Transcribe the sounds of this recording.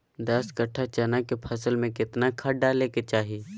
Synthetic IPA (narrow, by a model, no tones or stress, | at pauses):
d̪ɐskəʈʰːat͡ʃɛnakepʰɐsəlmẽkɪt̪nakʰɐʈɖaleket͡ʃaːɦi